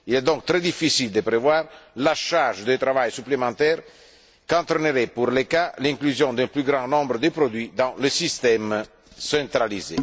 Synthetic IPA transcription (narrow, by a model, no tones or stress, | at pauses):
ilɛd̪ɔ̃ŋk̚t̪ɾɛd̪ifisild̪əpɾevwaːrlaʃarʒd̪ət̪ɾavajsyplemɑ̃t̪ɛɾ | kãnt̪ɾəneɾɛpurlekalɛ̃ŋklyzjɔ̃d̪ɛ̃mplyɡɾɑ̃nɔ̃mbɾəd̪əpɾod̪ɥid̪ãləsist̪ɛm | sɛ̃nt̪ɾalizḛ